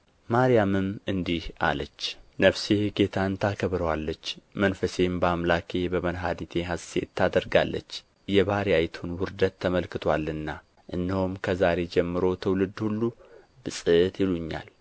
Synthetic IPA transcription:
maɾijamɨmɨnd̪iha̰lət͡ʃːnəfseɡe̞t̪ʰaɨnt̪ʰakʰəβɾəwalːət͡ʃːmənfəse̞mbamlakʰe̞bəmənɦad̪it̪ʰe̞ɦasḛt̪ʰːad̪əɾɡa̰lːə̰t͡ʃː | jɛβaɾijajt̪ʰunwʊɾd̪ət̪ʰːəməlkɨt̪ʰwalːɨnːa | ʔɨnːihomkʰəzaɾe̞d͡ʒɛmːɨɾo̞t̪ʰəwlɨd̪hulːu | bɨsʼɨt̪jɪluɲːa̰l

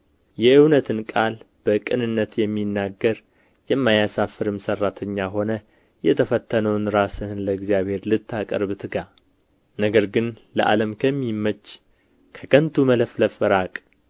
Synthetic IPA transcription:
jɛʔɨwnət̪ʰɨnkʼal | b̥əkʼɨnɨnːət̪jɛmːinːaɡːəɾ | jɛmːajasafɨɾɨmsərːat̪ʰəɲːaɦo̞nə | jɛt̪ʰəfət̪ʰːənəwnɾasɨhɨnləɡzijaβhe̞ɾlɨt̪ːakʼə̰ɾβɨt̪ʰɨɡa | nəɡəɾɡɨn | ləʔa̰ləmkʰəmːimːət͡ʃː | kʰə̥kʰənt̪ʰumələfləfɨɾakʼ

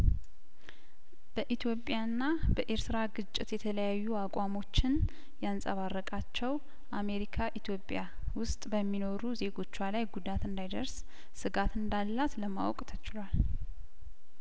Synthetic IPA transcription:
b̥əʔit̪ʰjo̞pʼjanːabəʔe̞ɾt̪ʰɨɾaɡɨt͡ʃʼːɪt̪jɛt̪ʰələjajːuakʼwamo̞t͡ʃːɪn | jansʼəβarːəkʼat͡ʃːɛw | ʔame̞ɾikʰaʔit̪ʰjo̞pʼja | wʊst̪ʼbəmːino̞ɾuze̞ɡo̞t͡ʃːwalajɡud̪at̪ɨnd̪ajd̪əɾs | sɨɡat̪ɨnd̪alːat̪ləma̰wkʼt̪ʰət͡ʃɪlwal

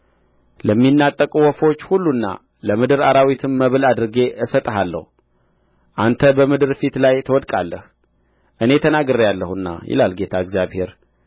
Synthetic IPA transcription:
ləmːinːat̪ʼːəkʼwɔfo̞t͡ʃːhulːunːa̰ | ləmɨd̪ɨɾaɾawit̪ʰɨmːəβɨlad̪ɨɾɨɡe̞ʔɨsət̪ʼəɦalːə̰hu | ʔant̪ʰəbəmɨd̪ɨɾfit̪lajt̪ʰəwɔd̪kʼalːəh | ʔɨne̞t̪ʰənaɡɨɾjalːəhuɨnːa̰jɪ̰lalɡe̞t̪ʰaɨɡzjaβhe̞ɾ

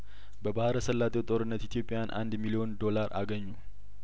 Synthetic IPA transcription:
bəbahɾəsəlːat̪ʼewt̪ʼo̞ɾɨnːət̪it̪ʰjo̞pʼːejanʔa̰nd̪milijo̞nd̪o̞laɾʔa̰ɡəɲːu

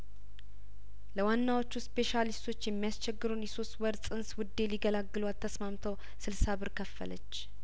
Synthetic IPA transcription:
ləwanːawo̞t͡ʃːuspe̞ʃalist̪ʰo̞t͡ʃːjɛmːijast͡ʃʰɛɡːɨɾunjɛso̞st̪wəɾsʼɨnswʊd̪ːe̞liɡəlaɡːɨlualt̪ʰːəsmamt̪ʰəw | sɨlsaβɨɾkʰəfːə̰lə̰t͡ʃː

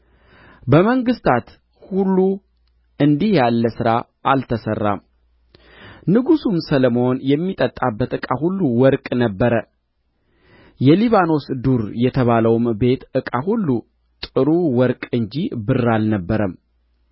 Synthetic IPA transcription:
bəməŋɡɨst̪ʰat̪ | hulːu | ɨnd̪ihjalːəsɨɾa | ʔalt̪ʰəsərːa̰m | nɨɡusumsələmonjɛmːit̪ʼət̪ʼabːət̪ɨkʼahulːuwɔɾkʼnəbːəɾə | jɛliβano̞sd̪uɾjɛt̪ʰəβaləwmbe̞t̪ɨkʼahulːu | t̪ʼɨɾuwɔɾkʼɨnd͡ʒibɨrːalnəbːəɾəm

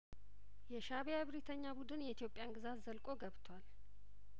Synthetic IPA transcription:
jɛʃaβejaβɾit̪ʰəɲːabud̪ɨnjɛit̪jo̞pʼːjanɡɨzat̪zəlkʼo̞ɡəβt̪ʰwal

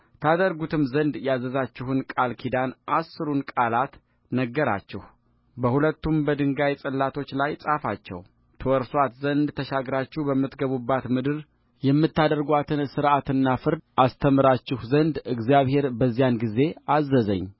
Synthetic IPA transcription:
t̪ʰad̪əɾɡut̪ʰɨmzənd̪jazːəzat͡ʃːɪhɨnkʼalkʰid̪anʔasːɨɾunkʼalat̪ | nəɡːəɾa̰t͡ʃːɪh | bəhulət̪ːumbəd̪ɨŋɡajsʼəlːat̪ʰo̞t͡ʃːlajsʼafat͡ʃːɛ̰w | t̪ʰəwɔɾswat̪zənd̪t̪ʰəʃaɡɾat͡ʃːɪhbəmːɨt̪ɡəβubːat̪mɨd̪ɨɾ | jɛmːɨt̪ːad̪əɾɡʷat̪ʰɨnsɨɾʔat̪ɨnːafɨɾd̪ʔast̪ʰəmɨɾat͡ʃːɪhzənd̪ɨɡzijaβhe̞ɾbəzːijanɡize̞azːəzə̰ɲː

